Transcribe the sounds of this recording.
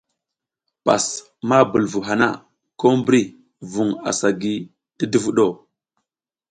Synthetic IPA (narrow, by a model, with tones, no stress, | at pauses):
pa̰˨s | ma˦bu˨lvu˨ɦa˨na̰˦ | ko˦mbɾi˦ | vu˨ŋa̰˨sa˨ɡi˦ | ti˦di˦vu˦ɗo˦˨